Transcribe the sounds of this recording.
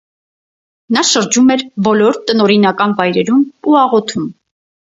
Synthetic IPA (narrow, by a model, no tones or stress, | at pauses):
nɑʃəɾd͡ʒumɛɾbɔlɔɾt̪ənɔɾinɑkɑnvɑjɾɛɾumuɑʁɔt̪ʰum